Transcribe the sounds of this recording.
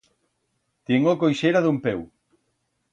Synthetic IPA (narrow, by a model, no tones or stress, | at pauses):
t̪iŋokojʃejɾaðumpɛw